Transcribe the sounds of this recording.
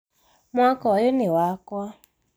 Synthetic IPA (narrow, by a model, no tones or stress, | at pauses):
mʷakɔjɪnɪwaka